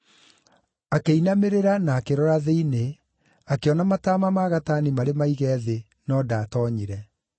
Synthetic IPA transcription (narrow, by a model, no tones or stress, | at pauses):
akeinameɾeɾanaːkeɾɔɾaðeine | akeɔnamataːmamaɣatanimaɾemaiɣɛːðe | nɔːdaːtɔɲiɾɛ